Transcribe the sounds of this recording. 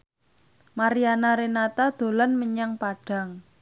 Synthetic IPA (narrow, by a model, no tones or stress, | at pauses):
maɾianaɾenat̪ad̪̥o̤lanməɲaŋpaɖ̥a̤ŋ